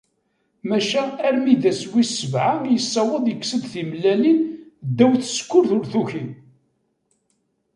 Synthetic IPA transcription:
mæʃæːɾmid̪æswisəvʕaŋjəsːɑwəðˤjəkːsəd̪θimlːælind̪ːæwθə̥skːʊɾθʊɾθuçi

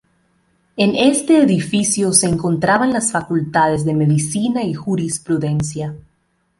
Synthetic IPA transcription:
e̞ne̞st̪e̞ːðifisjo̞se̞ːŋko̞nt̪ɾaβanlasfakult̪aðe̞zðe̞me̞ðisinaixuɾispɾuðe̞nsja

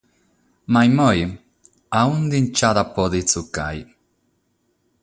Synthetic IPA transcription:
majmoj | aund̪int͡ʃaðapoðit͡suka̰j

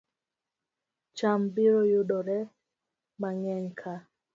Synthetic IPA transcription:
t͡ʃambiɾɔjuɗɔɾɛ | maŋɛɲkʰa

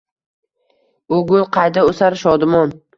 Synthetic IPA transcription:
oɡʊlˠqʰɑjd̪aosaɾʃɒd̪ɪmɒn

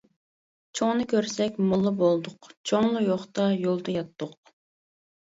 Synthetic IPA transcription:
t͡ʃʰoŋnɨkʲʰøɾsɛkʲmʊlˠːɨbolˠd̪ʊqt͡ʃʰoŋlˠʊjoχt̪ɑjolˠd̪ɑjɑt̪ːʊq̚

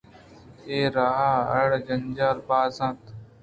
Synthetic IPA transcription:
eːɾaːɦaːəɽd͡ʒənd͡ʒaːɾbaːzãːt̪

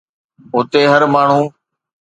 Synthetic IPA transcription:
ʊt̪eːɦəɾmaːɳ̤ũː

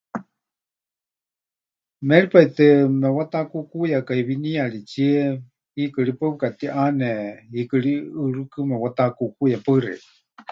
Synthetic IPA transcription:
mɛɺipait̪ɨmɛwat̪akukujakaiβiniaɺit͡sie | hikɨɺipakat̪iʔanɛɦikɨɺiɨɺɨkɨmɛwat̪akukujapərɛ̰i

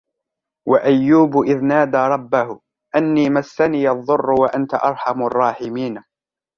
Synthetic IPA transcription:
waʔajːuːbʊʔɪðnaːd̪aɾˤɑbːahʊ | ʔanːiːmasːaniːjʔɑðˤːʊrːʊwaʔant̪aʔɑɾˤħɑmʊɑrˤːɑːħɪmiːn

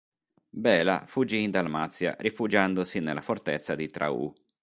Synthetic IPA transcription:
bɛːla̰fud͡ʒːiːnd̪almat̪sːja̰rifud͡ʒand̪osinelːafort̪et̪sːad̪it̪ɾa̰ṵ

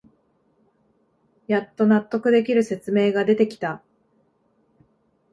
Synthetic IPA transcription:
jat̪ːo̞nat̪ːo̞kɯ̟d̪e̞k̬ʲiɾɯ̟se̞t͡sɨme̞ːɡad̪e̞t̪e̞kʲi̥t̪a

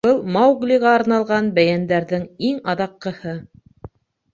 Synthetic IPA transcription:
b̥ɤlˠmɑwɡlʲiʁɑːɾnɑlˠʁɑnbæjænd̪æɾðɘŋiŋɑðɑqːɤ̆hɤ

